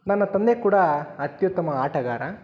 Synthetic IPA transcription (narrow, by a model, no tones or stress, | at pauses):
nɐnːɐt̪ɐnd̪ekuːɽɐɐt̪jut̪ːɐmɐaːʈɐɡa̰ːɾɐ